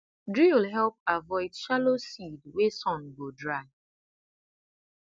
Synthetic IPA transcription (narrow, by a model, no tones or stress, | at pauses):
dɹiwlɦɛlp̚avɔɪdʃalosidwesɔ̃nɡodɹaɪ